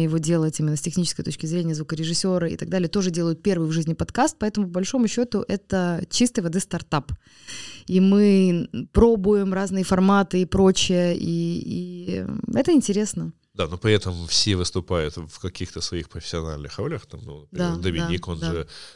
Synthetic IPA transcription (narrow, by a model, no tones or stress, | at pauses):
jɪvo̞dʲe̞lˠətʲimʲɪnːəsʲtʲɪxnʲit͡ɕɪskəjt̪ot͡ɕʲkʲɪzɾʲenʲɪjəzvukəɾʲɪʐɨsʲːo̞ɾəḭt̪ɐɡ̚d̪alʲɪjət̪o̞ʐɨdʲe̞lˠəjʊt̪̚pʲe̞rvɨjvʐɨzʲnʲɪpɐt̪kast̪̚pɐɛt̪əmʊpəbɐlʲʂo̞mʊɕːo̞t̪ʊʔɛt̪ət͡ɕist̪ɨjvɐd̪ɨst̪ɐrt̪ap | imɨpɾo̞bʊjɪmraznɨjəfɐrmat̪ɨipɾo̞t͡ɕɪjəʔii | ɛt̪əɪnʲtʲɪɾʲe̞snə | d̪anopɾʲɪɛt̪əmfsʲevɨst̪ʊpajʊt̪fkɐkʲixt̪əsvɐixpɾəfʲɪ̥sʲɪɐna̰lʲnɨxɾolʲjəxt̪amnud̪ad̪əmʲɪnʲiko̞nʐɨ